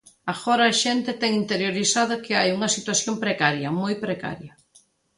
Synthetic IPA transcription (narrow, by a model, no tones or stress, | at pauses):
aɣoɾɐːʃent̪ɪt̪ɛŋint̪eɾjoɾisað̞ʊkɪajuŋɐsit̪waθjompɾekaɾjɐmojpɾeka̰ɾjɐ